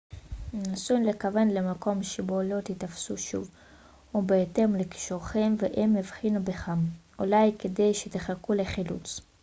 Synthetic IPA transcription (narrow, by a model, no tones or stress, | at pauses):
nasunlekave̞nlemako̞mʃebo̞lo̞t̪itafsuʃṵv | ubeːte̞mleki̥ʃuʁχe̞mveʔemivχinubeχamʔulajke̞de̞jʃet̪eχakule̞χilṵt͡s